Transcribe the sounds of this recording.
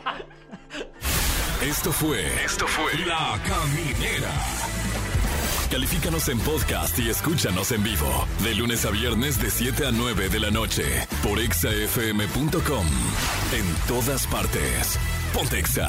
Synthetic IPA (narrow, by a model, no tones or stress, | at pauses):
e̞st̪o̞fweest̪ofwelakamineɾa̰ | kalifikano̞se̞mpoðka̰st̪ieskut͡ʃano̞se̞mbiβo̞̰ðe̞lunesaβje̞ɾne̞z̬ðe̞sje̞t̪eanwe̞βe̞ðe̞lano̞t͡ʃḛ | po̞ɾeksaefeemepunt̪oko̞m | ent̪o̞ðaspaɾt̪ḛs | pont̪eksa̰